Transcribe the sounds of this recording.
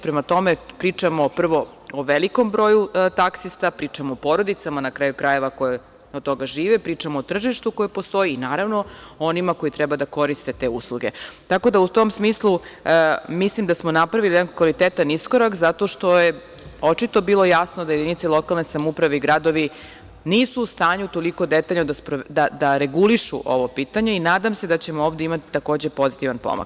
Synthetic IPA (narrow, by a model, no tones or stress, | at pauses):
pɾemat̪o̞me̞pɾiːt͡ʂamo̞pr̩ʋo̞ | oʋeliko̞mbɾo̞jut̪aksist̪apɾiːt͡ʂamoopo̞ɾo̞d̪it̪samanakɾaːjukɾaje̞ʋako̞je | ot̪ːo̞ɡaʒiːʋepɾiːt͡ʂamoot̪r̩ʒiʃt̪ukojepost̪o̞jiːnaːɾaʋno̞onimako̞jit̪ɾɛbad̪ako̞ɾist̪e̞t̪e̞uslˠuɡet̪ako̞d̪aut̪o̞msmiːslˠu | mislimd̪asmonapɾaʋilijd̪ankʋalit̪et̪anisko̞ɾakzat̪o̞ʃt̪o̞je | ot͡ʃit̪o̞biːlˠo̞jasnod̪aje̞d̪init̪selˠo̞kalˠnesamupɾaʋeiɡɾad̪o̞ʋi | niːsuːst̪aːɲut̪o̞liko̞d̪et̪aʎnod̪aspɾod̪ad̪aɾe̞ɡuliʃṵʔo̞ʋopiːt̪aɲe̞inaːd̪amsed̪at͡ɕe̞mooːʋd̪eimat̪i̥t̪ako̞ːd͡ʑe̞po̞zit̪iʋanpo̰mo̰kk